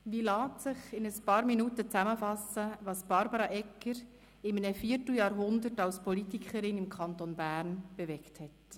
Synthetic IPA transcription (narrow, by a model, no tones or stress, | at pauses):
ʋiːlɑːtsɪχɪnəspɑːɾminuːtət͡sæməfɑsəʋɑːsb̥ɑɾbɑɾɑʔɛkːəɾ | ɪmnəfiːəɾtl̩jɑːɾɦʊndətɑlspɔlitikʰəɾɪnɪmkʰχɑnt̪onbæːɾnb̥ɛvɛkthɛt